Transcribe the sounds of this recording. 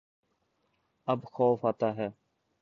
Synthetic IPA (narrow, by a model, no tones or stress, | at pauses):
əbxɔːfaːt̪aːɦɛː